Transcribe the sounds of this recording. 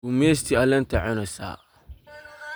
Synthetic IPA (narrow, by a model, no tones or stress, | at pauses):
umes̬tialɛntaʕɪnɔsa̰